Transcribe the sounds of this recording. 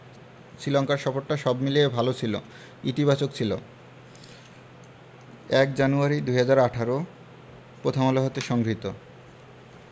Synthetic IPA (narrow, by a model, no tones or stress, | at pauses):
sɾilɔŋkaɾʃɔfoɾʈːaʃɔbmiliebʱalot͡ɕʰilo̰ | it̪ibat͡ɕokt͡ɕʰilo | ɛk̚d͡ʑanuaɾid̪uɦad͡ʑaɾaʈʰaɾo | pɾot̪ʰomoloɦot̪eʃɔŋɡɾit̪o